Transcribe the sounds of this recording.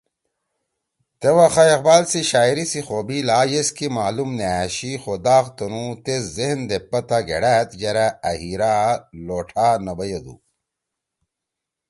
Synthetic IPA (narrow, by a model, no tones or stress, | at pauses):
t̪ewaxajeqbaːlsiɕaːiɾisixobilaːjeskimaːlumneaɕixod̪aːqt̪onut̪eszehnd̪epːɐt̪aɡḛɽæːt̪d͡ʑɐɾaɐhiɾaloːʈʰanɐbɐjed̪ṵ